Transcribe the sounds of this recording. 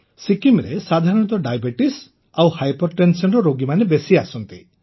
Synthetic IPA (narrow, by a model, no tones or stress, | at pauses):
sikimɾesad̪ʱaɾɔnɔt̪ɔɖajbeʈis | awhajpɔɾʈensɔnɾɔɾoɡimanebesiasɔnt̪i